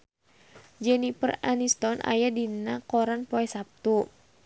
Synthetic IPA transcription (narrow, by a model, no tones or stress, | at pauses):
d͡ʒɛnipəranist̪ɔnʔa̰jadinakɔɾanpɔɛsap̚t̪u